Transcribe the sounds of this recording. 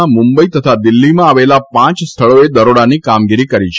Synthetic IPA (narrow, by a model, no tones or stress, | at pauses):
amʊ̃mbəit̪ət̪ʰad̪ɪlːimãaʋelapãt͡ʃst̪ʰəɭoed̪əɾoɽanikamɡiɾikəɾit͡ʃʰ